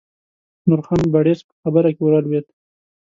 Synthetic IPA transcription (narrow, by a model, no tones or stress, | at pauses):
nʊɾxanbaɽespə̥xabəɾakewɾalwet̪